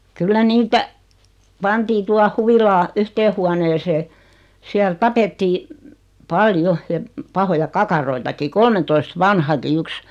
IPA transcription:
kylːæ niːtæ pɑntiː tuɑh huʋilɑː yhteː huoneːseː siæl tɑpetːiː pɑljo jɑ pɑhojɑ kɑkɑroitɑki kolmentoist ʋɑnhɑki yks

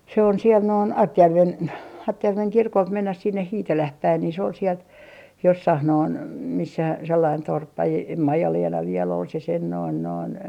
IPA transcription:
se on siel noin ɑrtjærʋen ɑrtjærʋeŋ kirkolt menːæh sinːeh hiːtelæh pæin ni se ol sielt josːɑh noin misːæ selːɑin torpːɑ e em ʋiel on se sen noin noin

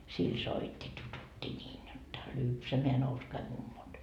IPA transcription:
sil soitʲːi tututʲːi nʲiːn jotːɑ lypsæmeæ nouskɑi mumːot

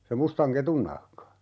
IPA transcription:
se mustɑŋ ketun nɑhkɑ

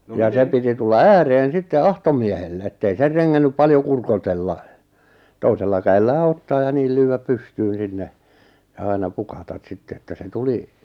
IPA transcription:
jɑ se piti tulːɑ æːreːn sitːe ɑutomiehelːe etːei ser reŋːænːyp pɑljo kurkotelːɑ toiselːɑ kæelːæː otːɑː jɑ niːl lyːæp pystyːn̞ sinːe jɑ ɑinɑ pukɑtɑt sitːe etːæ se tuli

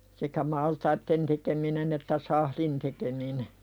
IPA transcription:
sekæ mɑltɑitːen tekeminen etːæ sɑhlin tekemine

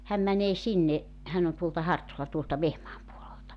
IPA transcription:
hæm mæneː sinːe hæn on tuoltɑ hɑrtolɑ tuoltɑ ʋehmɑːm puoleltɑ

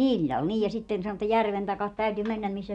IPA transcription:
ilʲːɑl niːj jɑ sitːen sɑno etːæ jærʋen tɑkɑt tæyty menːæm misːæ

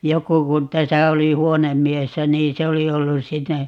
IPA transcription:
joku kun tæsæ oli huonemːiesːæ niː se oli olːus sitːe

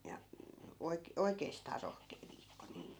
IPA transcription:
jɑ oik oikeːstɑː rohkeː ʋiːkːo niːm

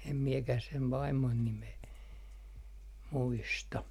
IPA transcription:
em miekæh seʋ ʋɑimːon nimeː muistɑ

